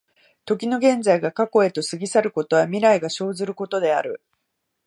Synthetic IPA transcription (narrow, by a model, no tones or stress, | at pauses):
t̪o̞k̬ʲino̞ɡẽ̞nd͡zaiɡakako̞e̞t̪o̞sɨɡʲisaɾɯ̟ko̞t̪o̞βamʲiɾaiɡaɕo̞ːzɨɾɯ̟ko̞t̪o̞d̪e̞a̰ɾɯ̟